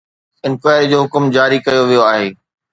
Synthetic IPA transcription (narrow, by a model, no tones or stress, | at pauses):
ɪ̃nkwaːjəɾd͡ʑoːɦʊkʊmd͡ʑaːɾikɐjoʋijoaːɦeː